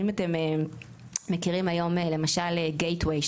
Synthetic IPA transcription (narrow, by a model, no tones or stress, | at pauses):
imate̞me | mekiʁimajo̞mele̞maʃaleɡejtwej